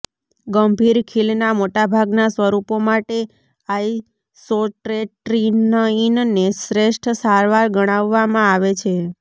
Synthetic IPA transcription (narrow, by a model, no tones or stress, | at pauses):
ɡəmbʱiɾkʰilnamoʈabʱaɡnasʋəɾupomaʈe | ai | soʈɾeʈɾinəinnesɾeʃʈʰsaɾʋaɾɡəɽ̃aʋːamãaʋet͡ʃʰe